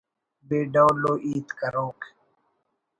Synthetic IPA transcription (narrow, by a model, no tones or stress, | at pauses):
beːɖawloʔiːt̪kaɾoːk